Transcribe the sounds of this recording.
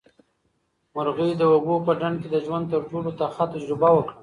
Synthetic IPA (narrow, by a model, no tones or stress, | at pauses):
mʊɾɣəjd̪əwaɡopəɖaɳɖ̚ked̪əʒwand̪̚t̪əɾʈolot̪axat̪ad͡ʒɾɪbawəkɽa